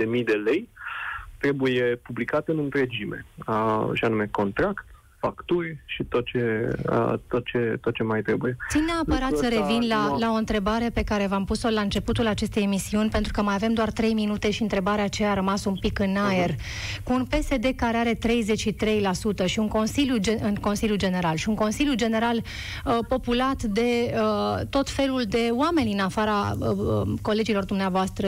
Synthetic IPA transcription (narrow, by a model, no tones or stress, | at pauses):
d̪e̞mijd̪e̞le̞j | t̪ɾe̞bujepublikat̪ɨnɨnt̪ɾe̞d͡ʒime̞̰əʃianume̞ko̞nt̪ɾakt̪ | fakt̪urʲʃit̪o̞t̪̚t͡ʃe̞ə̰t̪ot̪̚t͡ʃe̞t̪ot̪̚t͡ʃe̞majt̪ɾe̞buje̞ineapəɾat̪səɾevinlalao̞ɨnt̪ɾe̞baɾe̞pe̞kaɾe̞vampuso̞laɨnt͡ʃe̞put̪ulat͡ʃe̞st̪e̞jemisiunʲpe̞nt̪ɾukəmajave̞md̪oart̪ɾe̞jminut̪e̞ʃiɨnt̪ɾe̞baɾeat͡ʃeaɾəmasunpikɨnae̞r | kuːnpe̞se̞d̪e̞kaɾeaɾe̞t̪ɾe̞jze̞t͡ʃʃit̪ɾe̞jlasut̪əʃiuŋko̞nsiljuɨnko̞nsiljud͡ʒe̞ne̞ɾalʃiuŋko̞nsilʲjud͡ʒe̞ne̞ɾal | əpo̞pulat̪d̪e̞ət̪o̞t̪fe̞luld̪e̞oame̞nʲɨnafaɾa | ko̞le̞d͡ʒilo̞rd̪umneavoast̪ɾə